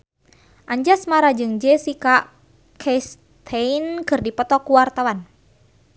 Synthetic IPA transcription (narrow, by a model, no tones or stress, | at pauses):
ʔaɲd͡ʒasmaɾad͡ʒɨŋd͡ʒɛsika | kʰɛs | t̪ʰɛinkɨrdipɔt̪ɔkuwart̪awan